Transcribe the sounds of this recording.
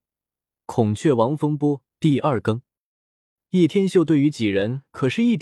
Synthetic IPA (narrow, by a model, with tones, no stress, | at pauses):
kʰʊ˨˩ŋt͡ɕʰɥɛ˥˩wɑ˧˥ŋfɤ˥ŋpwɔ˥t̪i˥˧ɐ˞˥˩kɤ˥ŋ | ji˥˩t̪ʰjɛ˥nɕjt̪we˥˩ɪy˧˥t͡ɕi˨˩ɻə˧˥nkʰɤ˨˩ʂɻ̩˥˧i˥˩t̪